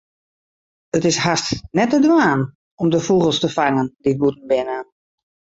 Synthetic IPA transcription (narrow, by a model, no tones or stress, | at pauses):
ətɪshastnɛtədʋaːn | ɔmdəfuɣəlˠstəfaŋəndiət̚butən̩bɪnən